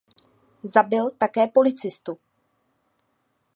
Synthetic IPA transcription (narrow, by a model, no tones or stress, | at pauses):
zabɪlt̪akɛːpo̞lɪt͡sɪst̪u